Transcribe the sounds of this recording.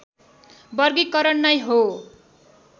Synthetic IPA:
bʌrɡikʌɾʌnːʌjɦo

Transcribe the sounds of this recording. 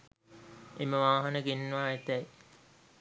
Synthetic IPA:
eməʋaːɦanəɡenːʋaːet̪æj

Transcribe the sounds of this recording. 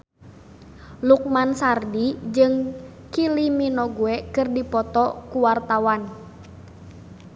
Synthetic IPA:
luk̚mansardid͡ʒɨŋ | kiliminɔɡuɛkɨrdipɔt̪ɔkuwart̪awan

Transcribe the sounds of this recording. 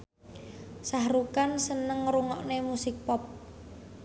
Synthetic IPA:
sahɾukansənəŋɾuŋɔʔnemusɪk̚pɔp̚

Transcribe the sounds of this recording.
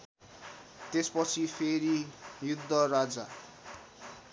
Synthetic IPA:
t̪espʌt͡sʰipʰeɾijud̪ʱːʌrad͡za

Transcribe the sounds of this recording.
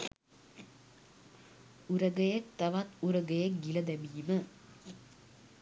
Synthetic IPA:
uɾəɡəjɐk̚t̪ɐʋat̪uɾəɡəjek̚ɡilɐd̪æbiːmə

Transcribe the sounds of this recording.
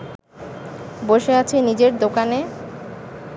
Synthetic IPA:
boʃeat͡ɕʰenid͡ʑeɾd̪okane

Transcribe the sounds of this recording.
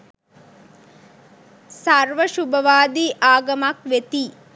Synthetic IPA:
saɾʋəʃubɐʋaːd̪iːʔaːɡɐmakʋet̪iː

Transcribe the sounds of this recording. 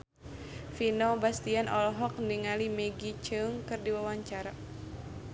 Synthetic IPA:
finɔbast̪ianʔɔlɔɦɔk̚ndiŋalimɛɡit͡ʃɨŋkɨrdiwawaɲt͡ʃaɾa

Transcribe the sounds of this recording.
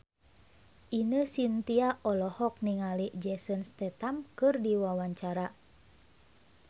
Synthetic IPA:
ʔinəsint̪iaʔɔlɔhɔk̚niŋaliʔd͡ʒɛsənst̪ɛt̪amkɨrdiwawaɲt͡ʃaɾa

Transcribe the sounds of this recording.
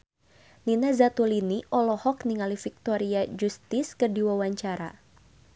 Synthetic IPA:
ninazat̪uliniʔɔlɔhɔkniŋalifik̚t̪ɔɾiad͡ʒust̪ɪskərdiwawaɲt͡ʃaɾa̰

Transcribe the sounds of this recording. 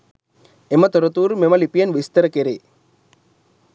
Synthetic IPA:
emɐt̪ɔɾət̪uːɾmemɐlipijɐnʋist̪əɾəkeɾe

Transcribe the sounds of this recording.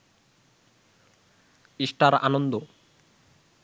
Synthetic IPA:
iʃʈaɾanond̪o

